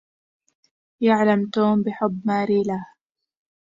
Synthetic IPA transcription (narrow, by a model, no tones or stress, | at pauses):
jaʕlamt̪oːmbɪħʊbːmaːɾiːlah